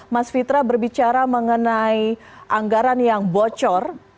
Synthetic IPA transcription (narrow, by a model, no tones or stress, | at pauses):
masfit̪ɾabərbit͡ʃaɾaməŋənai | ʔaŋɡaɾanjaŋbɔt͡ʃɔr